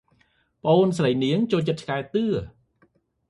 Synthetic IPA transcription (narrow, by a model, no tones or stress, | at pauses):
pə̆ʔoːnsrəjniəŋt͡ɕoːlt͡ɕət̪̚t͡ɕʰkaɛt̪ɨə